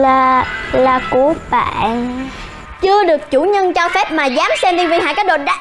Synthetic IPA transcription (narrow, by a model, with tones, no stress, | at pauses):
a˨˩laː˨˩ku˧˦ɓa̰˧˩˨n | t͡ɕɨ˧əɗɨ˨˩ək̚t͡ɕṵ˧˩ɲə˧nt͡ɕɔ˧fɛ˦˥p̚maː˨˩zaː˨˦msɛ˧mɗ̪i˧vi˧˩ɦa̰ː˧˨kaː˨˦˥j̚ɗo̰˨˩n̚ɗa˧˨